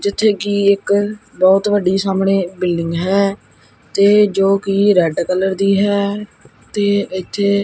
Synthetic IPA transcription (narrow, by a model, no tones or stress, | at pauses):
d͡ʒɪt̪ʰːeːkiːɪk | bɔːt̪ʋəɖiːsaːmɳeːbɪlɖɪŋɡɦɛː | t̪eːd͡ʒoːkiːɾɛːɖkələɾd̪iːɦɛːt̪eːɪt̪ʰːeː